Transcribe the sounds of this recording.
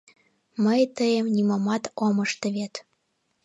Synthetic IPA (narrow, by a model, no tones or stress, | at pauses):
məjt̪əjemnʲimomɑt̪omɤ̆ʃt̪ə̆βet̪